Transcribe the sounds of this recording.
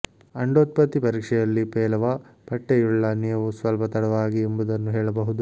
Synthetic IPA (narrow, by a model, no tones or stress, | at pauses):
ɐɳɖoːt̪̚pɐt̪ːipɐɾiːkʂɛjɐlːipɛːlɐʋɐpɐʈːejuɭːɐnijɐʋusʋɐlpɐt̪ɐɽɐʋaːɡiembud̪ɐnːuɦɛːɭɐbɐɦud̪u